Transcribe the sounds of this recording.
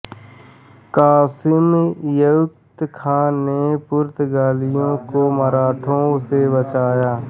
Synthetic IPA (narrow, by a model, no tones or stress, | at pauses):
kaːsɪmjʊk̚t̪kʰãːnepʊɾt̪ɡaːlɪjõkoməɾaːʈʰõsebət͡ʃaːjaː